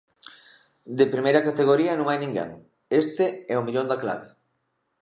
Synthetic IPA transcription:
d̪epɾimejɾɐkat̪eɣ̞oɾiɐnõŋajnĩŋɡḛŋ | est̪eɛomiʎond̪akla̰βɪ

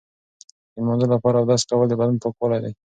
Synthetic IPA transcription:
d̪əmond̪olapɑɾaːwd̪ɑskawəld̪əbad̪anpokwəlajd̪aj

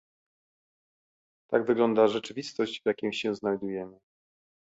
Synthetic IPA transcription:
t̪aɡvɘɡlɔnd̪aʐɛt͡ʂɘvʲist̪ɔʑd͡ʑvjakʲĩw̃ɕɛznajd̪ujɛmɘ

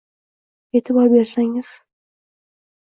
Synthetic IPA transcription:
ket̪ʰɪpɑbeɾsaŋɪz̥

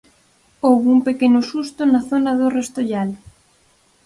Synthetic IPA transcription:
owβumpekenʊsust̪ʊnɐθonɐðorest̪oʎal

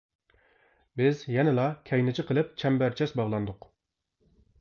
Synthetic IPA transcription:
bɪzjɛnɪlˠɑkʲʰɛjnɪt͡ʃʰɪqʰəlˠɪp̚t͡ʃʰɛmbæɾt͡ʃʰɛsbɑʁlˠɑnd̪ʊq

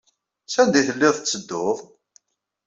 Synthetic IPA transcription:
sænd̪iθəlːɪðˤt͡sːəd̪ːʊðˤ

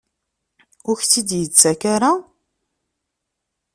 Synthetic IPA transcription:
ʊɾçθid̪jət͡sːækaɾa

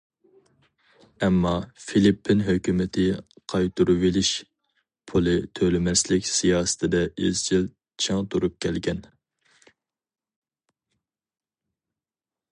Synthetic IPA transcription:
ɛmːɑfilipʰːɪnɦøkʲymɪt̪ʰɪqʰɑjt̪ʰuɾuvelɪʃ | pʰulˠɨt̪ʰølɪmɛslɪkʲsijɑːsɨ̥t̪ʰɪd̪ɛy̰zt͡ʃʰil | t͡ʃʰeŋt̪ʰuɾup̚kʲʰɛlɡʲɛn

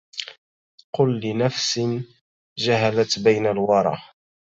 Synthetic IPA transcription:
qʊlːɪnafsɪn | d͡ʒaɦalat̪bajnalwɑɾˤɑ̰

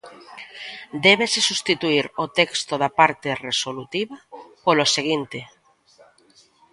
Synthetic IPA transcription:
d̪ɛβ̞esesust̪it̪uiɾot̪ɛkst̪oðapaɾt̪eresolut̪iβapoloseɣ̞int̪e

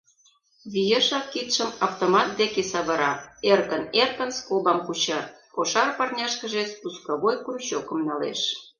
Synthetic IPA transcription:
βijeʃɑkːit̪ʃəmɑft̪omɑt̪̚d̪ekesɑβɤɾɑerkənerkə̆nskobɑmkut͡ɕɑr | koʃɑrpɑrnʲɑʃkə̆ʒespuskɑβojkuruɕokə̆mnɑlḛʃ

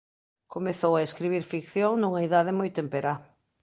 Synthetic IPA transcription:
komeθowaeskɾiβiɾfikθjoŋnuŋɐiðaðɪmojt̪empeɾa

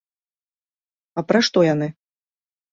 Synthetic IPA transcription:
ɐpɾaʂt̪ɔjan̪ɨ

